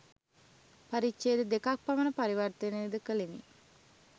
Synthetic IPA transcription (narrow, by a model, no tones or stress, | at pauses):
paɾit͡ʃeːd̪əd̪ekak̚pamənəpaɾiʋart̪əneːd̪əkəlenḭ